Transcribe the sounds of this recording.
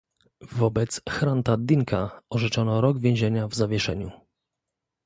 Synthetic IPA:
vɔbɛt̪sxɾant̪ad̪iŋkaɔʐɛt͡ʂɔnɔɾɔɡvʲjɛ̃ʑeɲavzavʲjɛʂɛ̰ɲṵ

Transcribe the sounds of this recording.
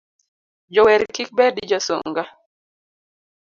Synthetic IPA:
d͡ʒɔwɛɾkik̚bɛdid͡ʒɔso̰ŋɡa

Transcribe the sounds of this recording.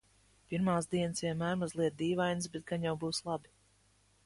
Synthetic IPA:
piɾmaːzd̪iɛnɨsvʲiɛmaːɾmɔzlˠiɛd̪iːvajns̬bɛt̪̚ɡanjawbuːslˠabi

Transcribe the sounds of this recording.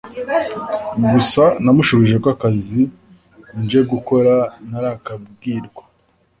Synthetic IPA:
ɡusanamuʃoβiʒekwakazi | nd͡ʒe̞ɡuko̞ɾanaɾakab̚ɡiːɾɡwa

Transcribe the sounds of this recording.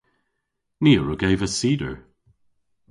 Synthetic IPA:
niːəɹuɡeɪjvəsiːdə̰ɹ

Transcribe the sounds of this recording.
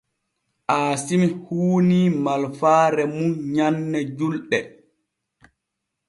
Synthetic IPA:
ʔaːsimihuːniːmalfaːɾɛmunɲanːɛd͡ʒulɗɛ

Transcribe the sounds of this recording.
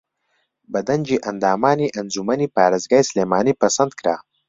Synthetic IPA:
bɐd̪ɐnʲd͡ʒiʔɐnd̪aːmaːniʔɐnzumɐnipaːɾɐzɡajsleːmaːnipɐsɐnd̪kɾa̰ː

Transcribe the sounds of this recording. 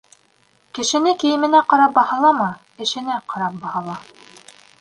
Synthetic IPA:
kɘ̆ʃɘ̆nɘkɘ̆jɘ̆mɘ̆næqɑɾɑp̚bɑhɑlˠɑmɤ | ɘ̆ʃɘ̆næqɑɾɑp̚bɑhɑlˠɑ

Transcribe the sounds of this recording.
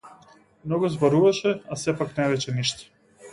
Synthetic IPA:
mnɔɡuzbɔɾuvaʃɛasɛpaknɛvɛt͡ʃɛniʃt̪ɛ̥

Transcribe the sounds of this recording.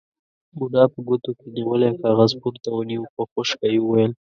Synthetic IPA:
muɖɑpəɡot̪okeniwəlekɑɣazpuɾt̪awəniwkəxoʃkajwəwajəl

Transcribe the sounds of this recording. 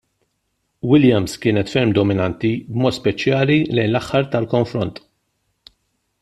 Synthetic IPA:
wɪljɐmskɪːnɛt̪fɛɾmd̪ɔmɪnɐnt̪ibmɔːt̪spɛt͡ʃjɐːlilɛjnlɐħːɐɾt̪ɐlkɔɱfɾɔnt̪

